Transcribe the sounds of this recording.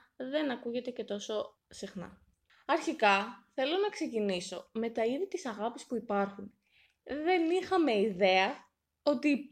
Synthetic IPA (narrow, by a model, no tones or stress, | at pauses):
ðe̞nɐkuʝe̞t̪e̞ce̞t̪o̞so̞ | sixnɐ̰ | ɐɾçikɐθe̞lo̞nɐkse̞ciniso̞me̞t̪ɐiðit̪isɐɣɐpispuipɐɾxun | ðe̞nixɐme̞iðe̞ɐ | o̞t̪i